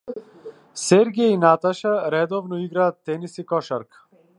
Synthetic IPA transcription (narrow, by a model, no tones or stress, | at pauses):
sɛɾɡʲainat̪aʃaɾɛd̪ɔvnɔiɡɾaːt̪ːɛnisikɔʃaɾk